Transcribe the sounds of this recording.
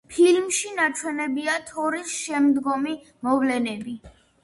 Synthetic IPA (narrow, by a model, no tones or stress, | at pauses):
pʰilmʃinat͡ʃʰwɛnɛbiat̪ʰɔɾisʃɛmd̪ɡɔmi | mɔvlɛnɛbi